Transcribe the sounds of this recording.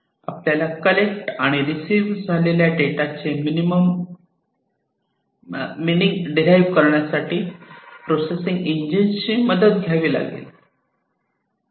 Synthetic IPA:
a̰pljalakəlek̚ʈaɽ̃iɾisiːʋd͡zʱaleljaʈeʈat͡ɕeminiməm | miniŋɡɖiɾajʋkəɾɳjasaʈiːpɾosesĩŋɡiɲd͡ʑint͡ɕiːməd̪ət̪̚ɡʱjaʋiːla̰ɡḛl

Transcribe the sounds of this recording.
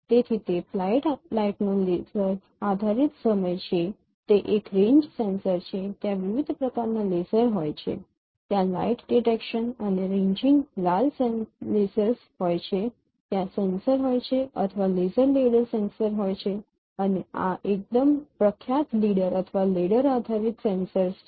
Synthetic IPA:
t̪et̪ʰit̪eflajʈlaiʈnolesəɾ | ad̪ʱaɾit̪səməjt͡ʃʰe | t̪eʔekɾẽɲd͡ʒsensəɾt͡ʃʰet̪jãʋiʋid̪ʱpɾəkaɾnalesəɾɦojt͡ʃʰḛ | t̪jãla̰iʈɖiʈekʃənəneɾẽɲd͡ʒĩŋɡlalselesəɾs | ɦojt͡ɕʰe | t̪jasensəɾɦojt͡ʃʰeʔət̪ʰʋalezəɾleɽəɾsensəɾɦojt͡ɕʰe | ənea̰ʔek̚d̪əmpɾəkʰjat̪liɽəɾət̪ʰəʋaleɽəɾad̪ʱaɾit̪sẽnsəɾs

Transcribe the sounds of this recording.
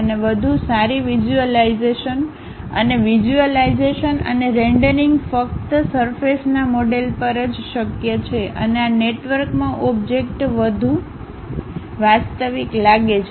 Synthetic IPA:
əneʋəd̪ʱusaɾiʋid͡ʒuəlaizeʃən | ə̰neʋid͡ʒuəlaizeʃənə̰neɾeɳɖəɾiŋɡfək̚t̪səɾfesnamoɖelpəɾəd͡ʒʃəkjət͡ʃʰeʔə̰neaneʈʋəɾkmãʔɔbd͡ʒek̚ʈʋəd̪ʱu | ʋast̪əʋiklaɡet͡ʃʰ

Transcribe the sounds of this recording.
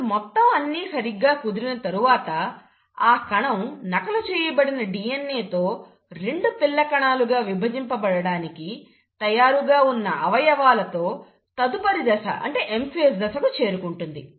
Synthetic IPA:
mɔt̪ːɐmɐnːiːsɐɾiɡːaːkud̪iɾinɐt̪ɐɾuʋaːt̪ɐ | aːkɐɳɐmnɐkɐlut͡ʃɛːjɐbɐɽinɐɖijenːeːt̪o̞ː | ɾe̞ɳɖupilːɐkɐɳaːluɡaːʋibʱɐd͡ʒimpɐbɐɽɐɽaːniki | t̪ɐjaːɾuɡaːunːɐʔɐʋɐjɐʋaːlɐt̪o̞ː | t̪ɐd̪upɐɾid̪ɐsɐ̰ʔɐ̰ɳʈe̞ːʔempies̬d̪ɐsɐkut͡ʃe̞ːɾukuɳʈund̪i

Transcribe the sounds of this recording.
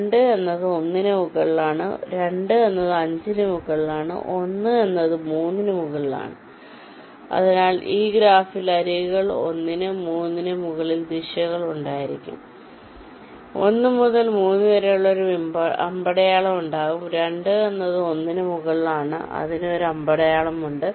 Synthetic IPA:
eɳɖɨenːɐðɨo̞nːinɨmuɣɐɭilaːɳɨ̰ɾe̞ɳɖɨe̞nːɐðɨɐɲd͡ʑinɨmuɣɐɭilaːɳɨ̰ʔo̞nːɨe̞nːɐðɨmuːnːinɨmuɣɐɭila̰ːɳɨ | ɐ̰ðinaːɭiːɡɾaːfilɐɾiɣuɣɐɭo̞̰nːinɨmuːnːinɨmuɣɐɭild̪iʂɐɣɐɭuɳɖaːjiɾikʲːṵm | o̰nːɨmuðɐlmuːnːɨʋɐɾejuɭːɐo̞ɾumbɐɐ̰mbɐɽɐjaːɭɐmuɳɖaːɣumɾe̞ɳɖɨe̞nːɐðɨo̞nːinɨmuɣɐɭilaːɳɨ̰ʔɐ̰ðino̞ɾuɐmbɐɽɐjaːɭɐmuɳɖɨ

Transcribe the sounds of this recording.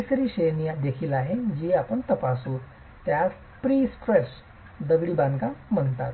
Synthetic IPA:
isəɾiːɕejnijad̪ekʰiːlaɦed͡ʑiapəɳt̪əpaso | t̪ja | pɾiːsʈɾes | d̪əɡɭiːbãnɡam̤əɳt̪a̰t̪

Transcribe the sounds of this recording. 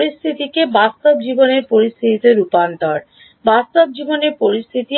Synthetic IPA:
ɾist̪ʰit̪ikebast̪obd͡ʑiboneɾpoɾist̪ʰiit̪oɾupant̪ɔɾ | bast̪ob̚d͡ʑiboneɾpoɾist̪ʰit̪i

